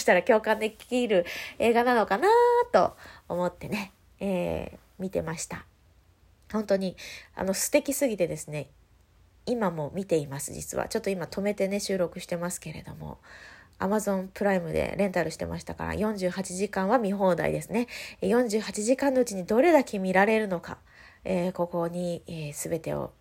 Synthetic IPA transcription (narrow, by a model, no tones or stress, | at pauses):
oɕi̥t̪aɾakʲo̞ːkãnd̪e̞kʲi̥kʲiːɾɯ̟e̞ːɡanano̞kanat̪o̞̰ːmo̞t̪ːe̞ne̞ | ḛː | mʲit̪e̞̰maɕi̥t̪a | hõ̞nt̪o̞ɲ̟ia̰no̞sɨ̥t̪e̞kʲisɨɡʲit̪e̞d̪e̞sɨne̞ | imamo̞mʲit̪e̞imasɨd͡ʑḭt͡sɨ̰βa̰t͡ɕo̞t̪ːo̞imat̪ʰo̞me̞t̪e̞ne̞ɕɨːɾo̞kɯ̟ɕi̥t̪e̞masɨ̥ke̞ɾe̞̰d̪o̞̰mo̰a̰mazõ̞mpɯ̟ɾaimɯ̟d̪e̞̰ɾẽ̞nt̪aɾɯ̟ɕi̥t̪e̞ma̰ɕi̥t̪aka̰ɾa̰jõ̞ɲ̟d͡ʑɨːhat͡ɕiʑikãɰ̃β̞amʲiɦo̞ːd̪a̰ḭd̪e̞sɨne̞jõ̞ɲ̟d͡ʑɨːɦat͡ɕiʑikãnːo̞ɯ̟t͡ɕiɲ̟id̪o̞ɾe̞d̪akʰʲimʲiɾaɾe̞ɾɯ̟no̞ka̰ | eːko̞ko̞ɲ̟ieːsɨbe̞t̪e̞o̞̰